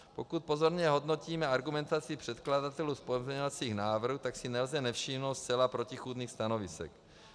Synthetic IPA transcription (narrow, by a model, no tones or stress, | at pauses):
po̞kut̪̚po̞zo̞ɾɲɛɦo̞dno̞ciːmɛaɾɡumɛnt̪at͡sɪpr̥ɛt̪kladat̪ɛluspojɛzɲɛɲɛlt͡siːxnaːvr̩ɦuːt̪aksɪnɛlzɛnɛfʃiːmnowt̪st͡sɛlapɾo̞cixuːd̪niːxst̪ano̞vɪsɛ̰k